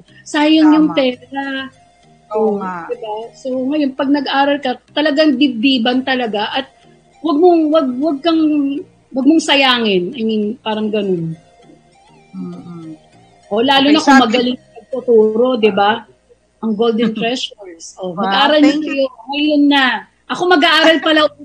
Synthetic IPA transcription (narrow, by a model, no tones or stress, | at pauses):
saːjɐŋjʊŋt̪ɛːɾɐ | ʔod̪ɪbasoŋɐjo̞npɐɡ̚nɐɡʔaːɾɐlkɐt̪ɐlɐɡaŋd̪ɪb̚d̪iːbɐnt̪ɐlɐɡaʔɐt̪̚ | wɐɡ̚moŋwɐɡ̚wɐɡ̚kɐŋ | wɐɡ̚mʊŋsɐjaːŋɪnɐŋɪnpaːɾɐŋɡɐno̞n | ʔo̞laːlʊnɐkomɐɡɐlɪŋpɐɡ̚t̪ot̪uːɾo̞d̪ɪba | ʔɐŋɡold̪ɛnt̪ɾɛʃoɹsʔomɐɡaʔaːɾɐlnɐŋɐjoŋɐjo̞nːɐ | ʔɐko̞mɐɡaʔaːɾɐlpɐla